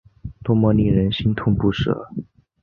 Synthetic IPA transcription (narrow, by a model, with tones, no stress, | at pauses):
t̪wɔ˥mɔ˧˥ni˥˩ɻə˧˥nɕi˥nt̪ʰʊ˥˧ŋpu˥˩ʂɤ̰˨˩˦